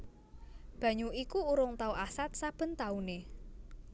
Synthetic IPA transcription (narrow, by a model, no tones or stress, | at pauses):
b̥ä̤ɲuikuːɾʊŋt̪auʔasat̪̚sab̥ə̤nt̪aune